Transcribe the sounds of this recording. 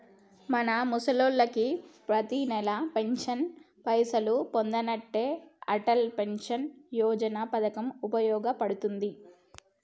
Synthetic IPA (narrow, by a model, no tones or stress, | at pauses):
mɐnɐmusɐloːlːɐkipɾɐt̪inɛlɐpe̞ɲʂɐn | pɐjsɐlupond̪ɐnɐʈːeːɐʈɐlpe̞nʂɐnjɔːd͡ʒɐnapɐd̪ɐkɐmupɐjɔːɡɐpɐɽut̪und̪i